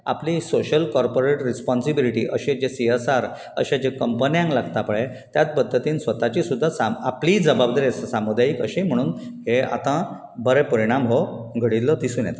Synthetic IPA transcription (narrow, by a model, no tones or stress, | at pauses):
a̰plisoɕəlkɔɾpoɾeʈɾispɔnsibiliʈḭːʔəɕed͡ʑesiesaɾ | ə̰ɕad͡ʑekəmpənjãŋklaɡt̪apəɭe | t̪jat̪̚pəd̪ʱːət̪iːnsʋət̪at͡ɕiːsud̪ʱːasamapliːd͡zəbabd̪aɾessamud̪ajikəɕem̤əɽ̃uːnɦea̰t̪ã | bəɾepəɾiɽ̃amɦoɡʱəɽilːəd̪isuːnjɛ̰t̪